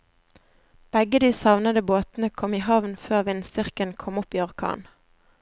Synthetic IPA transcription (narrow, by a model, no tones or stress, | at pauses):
b̥ɛɡəd̪iːsɑʋnəd̪əboːt̪n̩əkʰɔmiːhɑʋnføːʁʋɪnsʏʁkənkʰɔmʊpiːɔʁkʰɑ̰ːn